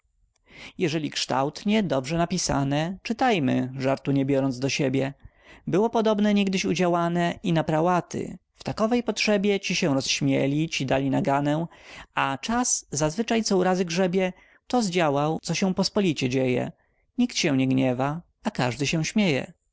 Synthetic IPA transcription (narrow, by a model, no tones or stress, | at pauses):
jɛʐɛlʲikʂt̪a̰wt̪ɲɛd̪ɔbʐɛnapʲisa̰nɛt͡ʂɘt̪ajmɘ̰ʐaɾt̪uɲɛbʲjɔɾɔnzd̪ɔɕɛbʲjɛ | bɘwɔpɔd̪ɔbnɛɲiɡd̪ɘɕud͡ʑawanɛinapɾawat̪ɘ̰ft̪akɔvɛjpɔtʂɛbʲjɛt͡ɕiɕɛ̃w̃ɾɔsɕmʲjelʲit͡ɕid̪alʲinaɡanɛw̃at͡ʂasːazvɘt͡ʂajt̪sɔuɾazɘɡʐɛbʲjɛ | t̪ɔzd͡ʑawawt̪sɔɕɛ̃w̃pɔspɔlʲit͡ɕɛd͡ʑejɛ̰ | ɲikt̪ɕɛ̃w̃ɲɛɡɲɛva | akaʐd̪ɘɕɛw̃ɕmʲjejɛ̰